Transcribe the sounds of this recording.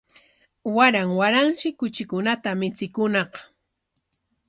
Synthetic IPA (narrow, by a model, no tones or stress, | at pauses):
waɾaŋwaɾaŋʃɪkʊt͡ʃɪkʊnat̪amɪt͡sɪkʊnɑq